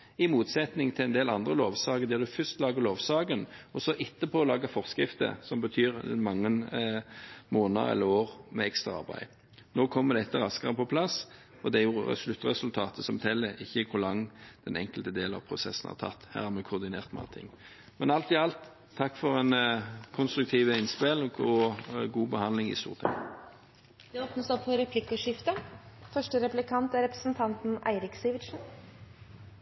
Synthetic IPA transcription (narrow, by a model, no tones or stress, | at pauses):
ɪmuːt̪sɛt̪nɪŋt̪ʰɪlɛnd̪eːlɑnd̪ʁəloːʋsɑːɡəd̪ɛːʁd̪ʉfʏst̪lɑːɡəloːʋsɑːɡənɔsɔʔɪt̪ːəpʰɔːlɑːɡəfɔʁskɾɪft̪ə̰sɔmbət̪ʰyːʁ̰nmɑŋːən | moːnə̰ɛ̰lːəɾoːʁmɛɛkst̪ʁɑɑ̰ɾbæ̰ɪ | noːkʰɔmːəd̪ɛɛt̪ːəɾɑskəʁəpʰɔpʰlɑs | ɔd̪ɛæɾjʊɛ̰slʉt̪ːʁɛsʉlt̪ʰɑːt̪ʰəsɔmt̪ʰɛlːəʔɪçːəkʰʊɾlɑŋd̪̥ɛnɛ̰ŋkəlt̪əd̪eːlnɑ̰ʋpʰʁʊsɛsən̩hɑ̰ʁt̪ʰɑ̰t̪ːhæ̰ːʁhæmɛkʰʊʁd̪ɪnḛːʁt̪mɑ̰ːt̪ʰɪ̰ŋː | mɛnɑlt̪ɪɑlt̪ʰː | ɑkːfɔʁɛnkʰʊnst̪ɾʉk̚t̪ʰiːʋəɪnspelɔɡuːbəhɑnlɪŋɪ̰st̪ṵːʁt̪ʰɪ̰ŋ | d̪̥ɛoːpnəsɔpfɔɾɛpʰlɪkːəʂɪft̪ə | fœʂʈəɾɛplɪkʰɑnt̪æɾɛpɾəsn̩t̪ʰɑnt̪n̩ʔæ̰ɪɾɪksiːʋɪʂn̩